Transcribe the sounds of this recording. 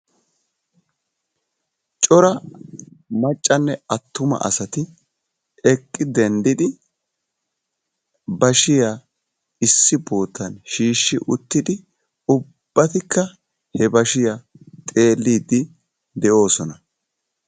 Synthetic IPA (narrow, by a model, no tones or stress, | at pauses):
t͡ʃʼɔɾɐ | mɐt͡ʃʼːɐnːɛɐt̪ːʊmɐ̰ʔɐ̰sɐt̪ɪ | ɛkʼːɪd̪ɛnd̪ɪd̪ɪ | bɐʃɪja | ɪsːɪboːt̪ːɐnʃiːʃːɪʔʊt̪ːɪd̪ɪ | ʊb̥ːɐt̪ɪkːɐ | hɛbɐʃɪjɐ | t̪ʼe̞ːlːiːd̪ɪ | d̪ɛʔo̞ːsɔnɐ